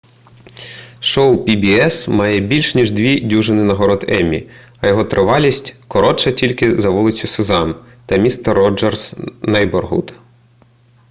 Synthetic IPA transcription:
ʃɔwpʲibʲiɛsmɑjɛbʲilʲʃnʲiʒd̪ʋʲidʲuʒɪnɪnɐɦɔɾɔd̪ɛmʲḭ | ɐjɔɦɔt̪ɾʔɪʋɑlʲisʲtʲkɔɾɔt͡ʃɐtʲilʲkɪzɐʋulˠɪt͡sʲʊsɪzɑm | t̪ɐmʲist̪ɛrːɔd͡ʒɛrsnɐjbɔrɦṵt̪

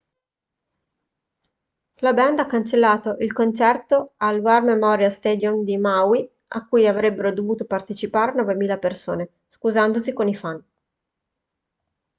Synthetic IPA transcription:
labɛnd̪akːant͡ʃelːaːt̪oʔilkont͡ʃɛrt̪oalwarmemɔɾjalst̪ɛːd̪jomd̪imawi | a̰kːujavɾɛbːeɾod̪ovuːt̪opart̪et͡ʃipaːɾenɔːvemiːlapersoːne | skuzand̪osikonifan

